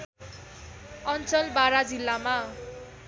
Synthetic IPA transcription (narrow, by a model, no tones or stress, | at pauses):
ʌnt͡sʌlbaɾad͡zilːama